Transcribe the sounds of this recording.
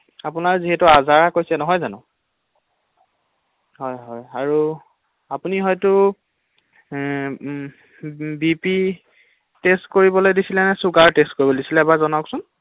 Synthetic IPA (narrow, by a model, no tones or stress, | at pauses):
apunaɹziɦɛtʊazaɹakojsɛnɔɦɔjzanʊ | ɦɔjɦɔjaɹu | apuniɦɔjtʊ | bipi | testkoɹibɔlojdisilɛnɛsuɡaɹtestkoɹibɔdisilɛbazɔnaksʊn